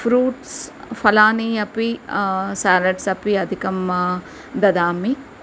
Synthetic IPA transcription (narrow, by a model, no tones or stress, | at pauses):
fɾuːʈsfɐlaːniɐpisaːlɐɖsɐpiɐd̪ʱikɐma | d̪ɐd̪aːmi